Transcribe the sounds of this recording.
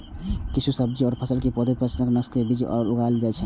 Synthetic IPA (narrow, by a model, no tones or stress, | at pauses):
kit͡ʃʰusəbd͡ʒiɔːɾpʰəsəlkipɔd̪epəsnəknəst̪ebid͡ʒɔ̰ːɾuɡald͡ʒaɛt͡ʃʰɛ